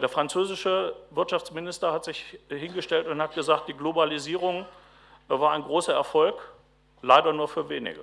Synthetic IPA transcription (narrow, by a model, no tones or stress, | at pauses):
d̥eːɐfʁ̥ant͡søːzɪʃəvɪɐtt͡ʃʃaft͡smɪnɪstɐhatz̥ɪçhɪnɡəʃtɛltʊnthatɡ̥əzaːkt̚d̥iːɡlobaliziːʁʊŋ | vaːɐaɪnɡʁoːsɐɛɐfɔlk | laɪdɐnuːɐfyːɐveːnɪ̰ɡə̰